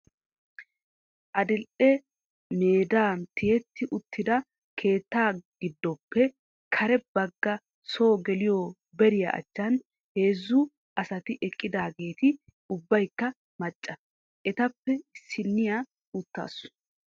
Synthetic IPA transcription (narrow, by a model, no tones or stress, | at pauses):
ʔɐd̪ɪlʔɛ | meːd̪aːnt̪ɪjɛt̪ʰːɪʔʊt̪ːɪd̪ɐ | kʰe̞ːt̪ːaːɡ̥ɪd̪ːɔpːɛ | kʰɐɾɛbɐɡːɐ | so̞ːɡɛlɪjɔ | bɛɾɪjɐ̰ʔɐ̰t͡ʃːɐn | he̞ːzːʊ | ɐsɐt̪ɪʔɛkʼːɪd̪aːɡe̞ːt̪ɪ | ʊbːɐjkːɐ | mɐt͡ʃʼːɐ | ʔɛt̪ɐpːɛɪsːɪnːɪja | ʊt̪ːa̰ːsʊ̥